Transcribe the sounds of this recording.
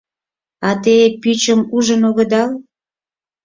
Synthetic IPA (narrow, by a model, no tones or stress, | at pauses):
ɑt̪epyt͡ɕəmuʒənoɣə̆d̪ɑl